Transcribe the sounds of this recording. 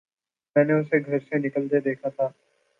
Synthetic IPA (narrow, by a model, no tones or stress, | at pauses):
mɛ̃ːneʊseɡʱɐɾsenɪkəld̪ed̪eːkʰat̪ʰaː